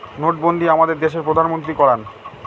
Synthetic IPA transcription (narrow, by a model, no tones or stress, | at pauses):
noʈ̚bond̪iamad̪eɾd̪eʃeɾpɾod̪ʱanmont̪ɾikɔɽan